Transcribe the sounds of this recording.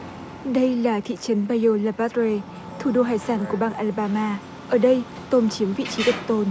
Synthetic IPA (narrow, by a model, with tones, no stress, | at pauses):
ɗə˧jlaː˨˩t̪ʰḭ˧˨t͡ɕə˨˦nɓaː˧˩jo˧laː˧pa˦˥t̚ɾe˧ | t̪ʰu˨˩ɗo˧ɦaː˧˩jsaː˧˩nku˧˩əɓaː˧nʔaː˧lɓaː˧maː˧ | ʔəː˧˩ɗə˧j | t̪o˧mt͡ɕi˨˦əmvḭ˧˨t͡ɕi˨˦ɗə˨˩w̚t̪o˧n